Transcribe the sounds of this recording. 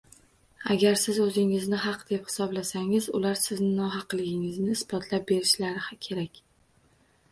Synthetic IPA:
a̰ɡʲaɾsɪzɵzɪŋɪznɪɦɑqd̪̥e̞phɪ̥sɒblasaŋɪzʊlaɾsɪznɪnɒɦɑqlɪɡʲɪŋɪznɪːsbɒt̪ʰlap̚be̞ɾɪʃlaɾɪkʲʰe̞ɾakʲ

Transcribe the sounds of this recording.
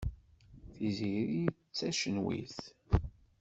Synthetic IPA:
θiziɾi | t͡sːæʃənwḭθ

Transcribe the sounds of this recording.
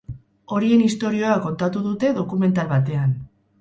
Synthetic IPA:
o̞ɾie̞nist̪oɾio̞ako̞nt̪at̪uðut̪e̞ðo̞kume̞nt̪alβat̪̬e̞an

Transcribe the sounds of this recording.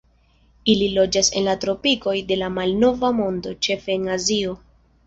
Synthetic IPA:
ililo̞d͡ʒase̞̰nlatɾo̞piko̞jde̞lamalno̞vamo̞ndo̞t͡ʃe̞fe̞ːnazio̞

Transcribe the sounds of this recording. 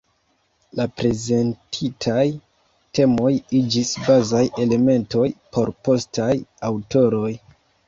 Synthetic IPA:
lapɾe̞ze̞ntʰitʰaj | te̞mo̞jid͡ʒisbazaje̞le̞me̞nto̞jpo̞ɾpo̞stajawto̞ɾo̞j

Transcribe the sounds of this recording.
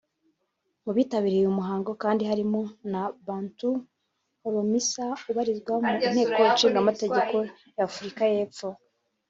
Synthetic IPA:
muβiːtaβiɾijumuɦaːŋɡo̞kaːndihaɾimo̞naβaːntu | hoɾomisauβaɾizɡwamuin̥he̞ːko̞jat͡ʃiːŋɡamate̞ɟe̞ko̞ | jaːfuɾikaje̞ːp͡fo̞

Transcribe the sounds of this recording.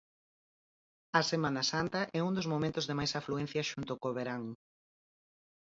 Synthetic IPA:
ɐsemãnɐsant̪ɐʔɛund̪ozmomẽnt̪ʊzðemajsafluɛ̃n̟θjɐʃunt̪ʊkoβeɾaŋ

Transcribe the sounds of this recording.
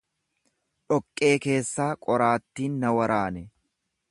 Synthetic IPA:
ᶑɔkʼːe̞ːke̞ːsːaːkʼɔɾaːt̪ːiːnːɐwɐɾaːnɛ

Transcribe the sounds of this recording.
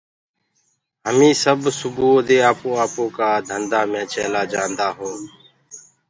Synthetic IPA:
ɦəmĩːsəbsʊbuːd̪eːaːpõːaːpoːkaːd̪ʱənd̪aːmẽːt͡ʃeːlaːd͡ʒãːnd̪aːɦoː

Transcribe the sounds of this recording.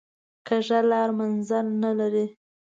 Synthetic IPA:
kəʒalɑɾmanzalnalaɾi

